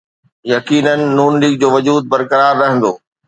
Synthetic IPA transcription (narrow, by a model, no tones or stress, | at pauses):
jɐkiːnənɪ̆nuːnliːɡ̚d͡ʑoːʋɐd͡ʑuːd̪̚bɐɾkɐɾaːɾːɐɦə̃nd̪oː